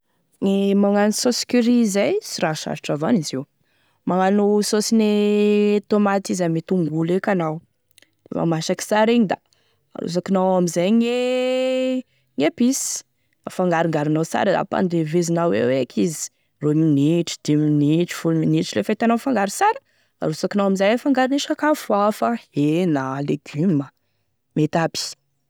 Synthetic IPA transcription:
ŋemaŋanusosi̥kʲyɾizajsiɾaʃa̰ɾiʈ͡ʂavaniziw | maŋanusosine | t̪omat̪izamit̪uŋɡulekʲanaw | d̪̥ḛma̰maʃaki̥saɾiɲid̪a | a̰ɾṵz̬akinawamizajŋe | ŋepis | a̰faŋɡaɾiŋɡaɾinawsa̰ɾəd̪a̰pa̰nd̪evezinawḛwekʰizi̥ | rominiʈ͡ʂi̥d̪̥iminiʈ͡ʂi̥fulminiʈ͡ʂilefijt̪anawfaŋɡaɾisaɾə̥ | a̰ɾusakinawamizajafaŋɡaɾiniʃakafuafahenaleɡymə | met̪api̥

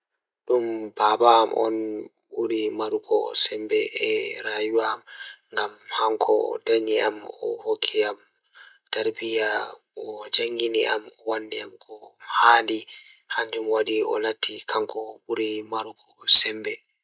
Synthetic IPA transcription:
ɗumbabamʔɔ̰n | ɓuɾimaɾukʰɔ̰sɛmbɛʔɛɾajuwamŋɡamhaŋkʰɔ̰daɲiʔamɔ̰hokʰːiam | taɾbija | ɔd͡ʒaŋɡinḭʔa̰mɔwandiamkʰɔhaːldi | haɲd͡ʒumwaɗiɔ̰latʰːikʰaŋkɔɓuɾimaɾukɔsɛmbɛ

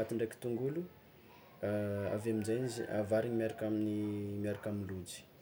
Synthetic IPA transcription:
at̪iɳɖ͡ʐeki̥t̪uŋɡulu | aa̰vamid͡ʒajnzḭa̰vaɾiɲimiaɾakaminimiaɾakaminlud͡ʒi̥

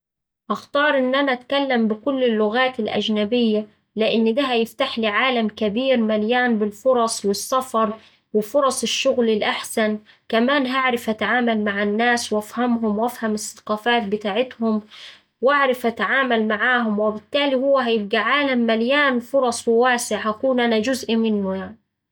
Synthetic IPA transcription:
ʔɑxt̪ɑːɾˤʔɪnːʔanaʔat̪kalːambɪkʊlːɪlːʊɣaːt̪ɪlʔa̰d͡ʒnabɪjːa | lɪʔɪnːd̪aɦajɪft̪aħliːʕaːlamkabiːɾmaljaːnbɪlfʊɾˤɑsˤwɪsːɑfɑɾˤ | wɪfʊɾˤɑsˤɪʃːʊɣlɪlʔaħsan | kamaːnɦaʕɾɪfʔat̪aʕaːmalmaʕanːaːswʔafhamɦʊmwʔafhamɪsːɑ̥qɑːfaːt̪̚bɪt̪aːʕɪt̪hʊm | waʕɾɪfʔat̪aʕaːmalmaʕaːɦʊmwɪbɪt̪ːaːlihʊwːaɦajɪb̚ɡiʕaːlamːaljaːnfʊɾˤɑsˤwɪwaːsɪʕhakuːnʔanad͡ʒʊzʔimɪnːʊjaʕni

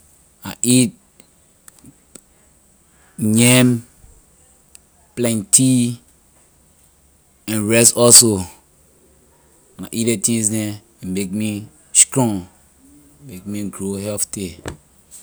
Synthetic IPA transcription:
aʔit̚ | ɲɛm | plɛ̃ntʰi | ɛ̃nɹɛsɔso | naʔitetĩsnɛ | ɛ̃nmek̚mi | stɹɔ̃ŋ | mek̚miɡɹohɛfti

